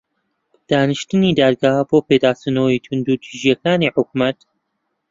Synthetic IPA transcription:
d̪̥aːnɨʃt̪ɨniːd̪aːd̪ɡaːhboːped̪aːst̪unowit̪ʰund̪ut̪ʰiʒijɐkaːniːħʊk̚mɐt̪

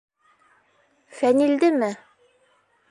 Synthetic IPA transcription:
fænild̪ɘmɘ

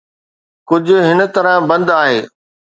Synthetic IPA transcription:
kʊd͡ʑʱʊ̆ɦɪnə̆t̪ɐɾə̃bɐ̃nd̪aːɦeː

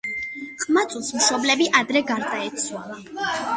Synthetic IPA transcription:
χʼmat̪sʼulˠsmʃɔblɛbiʔad̪ɾɛɡaɾd̪aɛt̪sʰwa

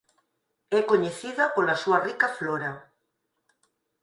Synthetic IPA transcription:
ɛkoɲeθiðɐpolasuɐrikafloɾa

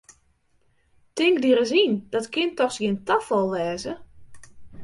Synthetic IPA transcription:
tɪŋɡdiɾəzind̥ɔtkʰɪntɔxsɡiəntafɔlˠʋɛːzə

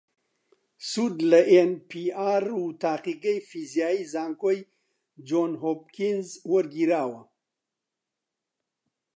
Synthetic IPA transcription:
sud̪laʔenpiaɾut̪aːqiɡəjfizjaːizɑːŋkoj | d͡ʒonɦop̚kinzwəɾɡiɾaːwa

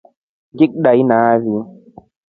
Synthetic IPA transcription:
ɡik̚ɗajnaːvi

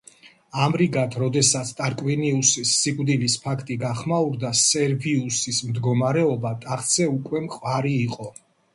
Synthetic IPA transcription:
amɾiɡat̪ʰɾɔd̪ɛsat̪sʰt̪ʼaɾkʼwiniusisːikʼvd̪ilispʰakʰt̪ʼiɡaχmauɾd̪asɛɾbiusismd̪ɡɔmaɾɛɔbat̪ʼaχt̪sʰɛukʼwɛmqʼwaɾiːqʼɔ

